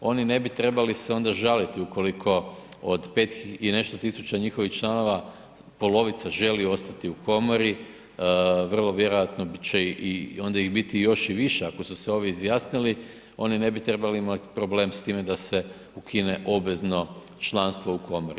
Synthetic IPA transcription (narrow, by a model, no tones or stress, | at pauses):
o̞nine̞bit̪ɾe̞baliseo̞nd̪aʒalit̪iuko̞likʰo̞od̪pe̞t̪iine̞st̪ot̪isut͡ɕaɲixo̞ʋixt͡ʃlˠano̞ʋa | po̞lo̞ʋit̪saʒe̞lio̞st̪at̪iukʰo̞moɾi | ʋr̩lˠo̞ʋje̞ɾo̞jat̪not͡ɕeʔio̞nd̪aiɣbit̪ijo̞ʃiʋiʃeako̞suseo̞ʋjiizjaːsnili | o̞nine̞bit̪ɾe̞baliimat̪i̥pɾo̞ble̞ːmst̪iːme̞d̪ase | ukʰine̞ʔo̞bʋe̞zno̞ | t͡ʃlˠanst̪ʋo̞ukʰo̞moɾi